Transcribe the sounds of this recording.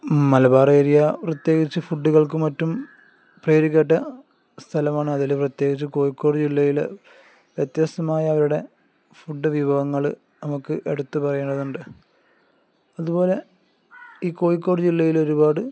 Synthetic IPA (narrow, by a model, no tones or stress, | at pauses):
mɐlɐbaːrɐːɾijaprɐt̪je̞ːɡit͡ɕːɨfuɖːuɣɐɭk̬ɨmɐtːum | preːɾiɣʲɐʈ̬ːɐ | st̪ʰɐlɐmaːɳɨɐðilprɐt̪je̞ːɡit͡ɕːɨko̞ːjikːo̞ːɽɨd͡ʑilːɐjil̰ | ʋjɐt̪jaːst̪ɐmaːjɐːʋɐɾuɽe̞ | fuɖːɨʋibʱɐʋɐŋːɐɭ | nɐmukːɨʔeɽut̪ːupɐrɐjeɳɖɐðuɳɖɨ | ɐðubo̞ːle̞ | iːko̞ːjikːo̞ːɽɨd͡ʑilːɐjilo̞ɾubaːɽɨ